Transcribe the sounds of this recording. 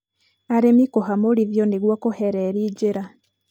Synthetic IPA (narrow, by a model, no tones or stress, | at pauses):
aɾemikoɦamoɾiðjɔneɡwakoheɾɛɾiːɟeɾa